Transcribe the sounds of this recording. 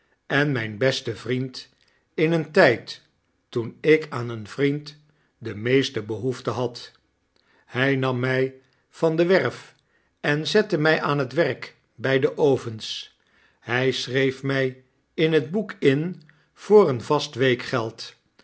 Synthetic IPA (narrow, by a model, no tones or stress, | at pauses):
ɛnmɛjnbɛstəvrint | ɪnəntɛjtː | unɪkʰaːnənvrint | dəmejstəbəɦuftəɦɑt | hɛjnɑmːɛj | v̥ɑndəʋɛɹf | ɛnzɛtəmɛjʔaːnɦətʋɛɹk | bɛjdəʔowvəns | hɛjsrejfmɛj | ɪnɦədbukɪn | v̥ʊːrənvɑstʋejkχɛlˠt